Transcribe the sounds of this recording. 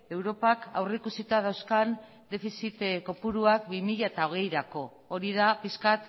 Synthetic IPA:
e̞wɾo̞paka̰wrekusit̪að̞awskan | d̪e̞fisit̪kopuɾuakbimiʎaet̪ao̞ɣ̞e̞jɾako̞ːɾiðapiskat̪

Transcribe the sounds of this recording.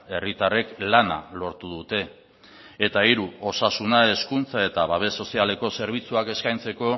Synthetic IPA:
e̞rit̪are̞klana̰lo̞ɾt̪uðut̪e̞ː | t̪aiɾuo̞sasunae̞skunt͡sae̞t̪aβaβ̞e̞so̞siale̞ko̞se̞ɾβ̞it͡suake̞skajnt͡se̞ko̞

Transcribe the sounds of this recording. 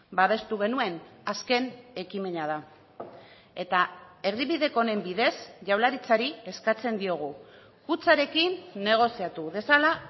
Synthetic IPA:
baβe̞st̪uɣ̞e̞nue̞naske̞ne̞kime̞nað̞a | e̞t̪ae̞riβiðe̞ko̞ne̞mbiðe̞sʝawlaɾit͡saɾie̞skat͡se̞nd̪io̞ɣ̞u | kut͡saɾe̞kinːe̞ɣ̞o̞siat̪uðe̞sala

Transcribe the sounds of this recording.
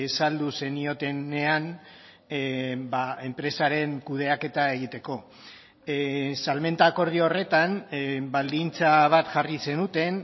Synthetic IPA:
esald̪use̞nio̞t̪e̞ne̞an | bae̞mpɾe̞saɾe̞ŋkuð̞e̞ake̞t̪ae̞ɣ̞it̪e̞ko̞ | salme̞nt̪ako̞ɾð̞iore̞t̪anbald̪int͡saβ̞at̪ʝarise̞nut̪e̞n

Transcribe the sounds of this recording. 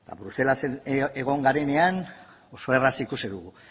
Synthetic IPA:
b̪a̰bɾuse̞laseeɣ̞o̞ŋɡaɾe̞ne̞an | osoerasikusiðuɣu

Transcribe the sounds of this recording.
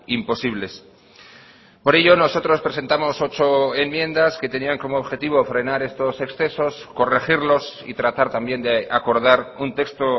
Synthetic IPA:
impo̞siβ̞le̞s | po̞ɾe̞ʎo̞no̞so̞t̪ɾo̞spɾe̞se̞nt̪amo̞so̞t͡ʃo̞e̞mːje̞nd̪aske̞t̪e̞niaŋko̞moːβxe̞t̪iβ̞o̞fɾe̞naɾe̞st̪o̞se̞ksθe̞so̞sko̞rexiɾlo̞sḭt̪ɾat̪aɾt̪ambje̞nd̪eako̞ɾð̞aɾunt̪e̞kst̪o

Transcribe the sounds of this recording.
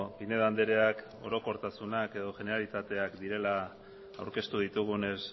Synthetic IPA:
pine̞ðand̪eɾe̞ak | o̞ɾo̞ko̞ɾt̪asunake̞ðo̞ʝe̞ne̞ɾalit̪at̪e̞akd̪iɾe̞la̰ː | wɾke̞st̪uð̞it̪uɣ̞une̞s

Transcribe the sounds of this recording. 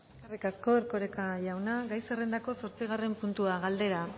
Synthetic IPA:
eskarikasko̞eɾko̞ɾe̞kaʎawnaɣajsere̞nd̪ako̞so̞ɾt͡siɣ̞are̞mpunt̪uaɣald̪e̞ɾa

